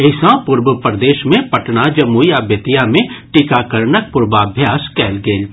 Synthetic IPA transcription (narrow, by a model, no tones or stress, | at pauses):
eɪsãpʊɾbəpɾd̪eːʃmẽpɐʈnad͡ʒɐmuːiaːbjət̪ijamẽʈɪkakəɾnək̚pʊɾbaːbʱjaːskɛːlɡeːl